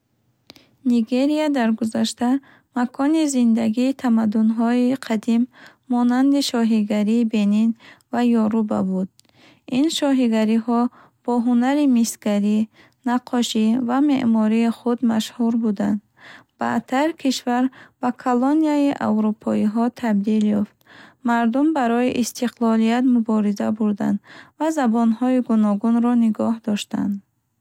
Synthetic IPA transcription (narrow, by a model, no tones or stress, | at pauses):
niɡe̞ɾiad̪aɾɡuzaʃt̪a | makʰɔnizind̪aɡiːt̪ʰamad̪ːunɦɔiqʰad̪imː | ɔnand̪iʃɔɦiɡaɾiːbe̞ninvajɔɾuba̰bud̪̥̚ | inʃɔɦiɡaɾiɦɔ | b̥ɔɦunaɾimisɡaɾi | naqʰɔʃivame̞̰ʔmɔɾiːχud̪maʃhuɾbud̪and̪ | b̥a̰t̪ʰːaɾkʰiʃvaɾbakʰɔloniaiʔa̰wɾupʰɔiɦɔt̪ʰab̚d̪iljɔft̪maɾd̪umbaɾɔiʔist̪ʰiqlˠɔlijat̪mubɔɾizabuɾd̪a̰nd̪vazabɔnhɔiɡunɔɡunɾɔniɡɔhd̪ɔʃt̪a̰nd̪